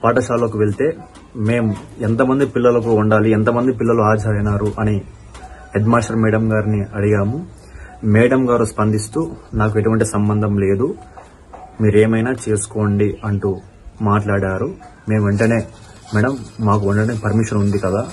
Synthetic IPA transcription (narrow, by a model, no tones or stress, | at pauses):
paːʈɐʃaːlːoːkuʋe̞ɭt̪e̞ː | me̞ːmuent̪ɐmɐnd̪ipilːɐlɐk̬uuɳɖaːlient̪̬ɐmɐnd̪ipilːɐluaːd͡ʒʱɐɐjnaːɾuʔɐni | hedmaːʂʈɐɾmɛːɽɐmɡaːɾiniɐɽijaːmu | mɛːɽɐmɡaːɾuspɐnd̪ʱist̪uːnaːk̬ue̞ʈuʋɐɳʈisɐmbɐnd̪ʱɐmle̞ːd̪u | miːɾeːmɐjnaːt͡ʃe̞ːsu̥ko̞ːɳɖiʔɐɳʈu | maːʈlaːɽaːɾume̞ːmʋe̞ɳʈɐne̞ː | mɛːɽɐmːaːk̬uuɳʈɐneːpɐɾmiʂɐnund̪ikɐd̪aː